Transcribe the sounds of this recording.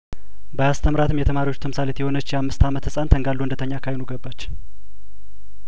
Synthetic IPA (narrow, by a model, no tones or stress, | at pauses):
bəjast̪ʰəmɾat̪ʰɨmjɛt̪ʰəmaɾiwo̞t͡ʃːt̪ʰəmsalet̪jɛho̞nət͡ʃːjɛamːɨst̪ʰamət̪hɨsʼant̪ʰəŋɡalːuɨnd̪ət̪ʰəɲːakʰajenuɡəbːat͡ʃː